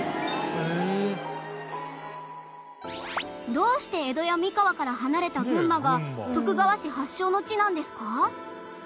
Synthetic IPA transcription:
e | d̪o̞ːɕi̥t̪e̞ːd̪o̞jamʲikaβakaɾaɦanaɾe̞t̪aɡɯ̟̃mːaɡat̪o̞kɯ̟baβaɕihaɕːo̞ːno̞t͡ɕinãnd̪e̞sɨ̥ka

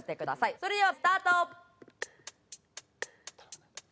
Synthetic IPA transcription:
t̪e̞kɯ̟d̪asaiso̞ɾed̪eβasɨ̥t̪aːt̪o

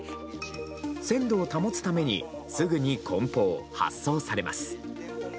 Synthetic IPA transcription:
sẽ̞nd̪o̞ːt̪amo̞t͡sɨ̥t̪ame̞ɲ̟ḭ | sɨɡɯ̟ɲ̟ikʰõ̞mpo̞ːha̰sːo̞ːsaɾe̞ma̰sɨ̥

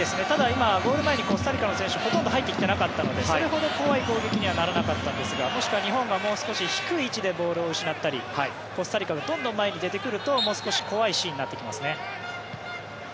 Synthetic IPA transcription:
d̪e̞sɨne̞t̪ad̪aimaɡo̞ːɾɯ̟mae̞ɲ̟iko̞sɨ̥t̪aɾʲikanosẽɕɨho̞t̪ond̪o̞ɦait̪ːe̞kʲi̥t̪e̞nakat̪ːano̞d̪e̞soɾe̞ɦo̞d̪o̞ko̞βaiɡo̞ːɡe̞kʲiɲ̟iβanaɾanakat̪ːãnd̪e̞sɨɡamo̞ɕi̥kɯβaɲ̟iɦõ̞ŋɡamo̞ːsɨ̥ko̞ɕiçi̥kɯ̟iːt͡ɕid̪e̞bo̞ːɾɯ̟o̞ɕinat̪ːaɾʲihai | ko̞sɨt̪aɾʲikaɡad̪õ̞nd̪omːae̞ɲ̟id̪e̞t̪e̞kɯ̟ɾɯ̟t̪o̞mo̞ːsɨ̥ko̞ɕi̥ko̞βaiɕiːɲ̟inat̪ːekʲimasɨne̞

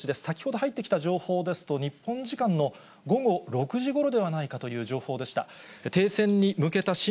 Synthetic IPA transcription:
t͡ɕid̪esɨ̥sakʲi̥ho̞d̪o̞ɦait̪ːe̞kʲi̥t̪aʑo̞ːho̞ːd̪e̞sɨ̥t̪o̞ɲ̟ipːõ̞ɲd͡ʑikãnːo̞ | ɡo̞ɡo̞ɾo̞kɯ̟ʑiɡo̞ɾo̞d̪e̞βanaikat̪o̞jɯ̟ːʑo̞ːho̞ːd̪e̞ɕi̥t̪a̰t̪e̞ːsẽ̞ɲ̟ːimɯ̟ke̞t̪aɕi

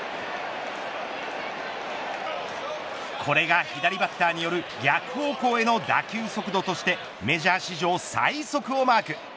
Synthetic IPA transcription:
kʰo̞ɾe̞ɡaçid̪aɾʲibat̪ːaːɲ̟ijo̞ɾɯ̟ | ɡʲakɯ̟̥ho̞ːko̞ːe̞no̞d̪a̰kʲɨːso̞kɯ̟d̪o̞t̪o̞ɕi̥t̪e̞ | me̞ʑaːɕiʑo̞ːsa̰iso̞kɯ̟o̞maːkɯ̟

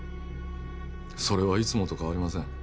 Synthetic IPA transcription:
so̞ɾe̞βait͡sɨmot̪o̞kaβaɾʲimasẽ̞ŋ

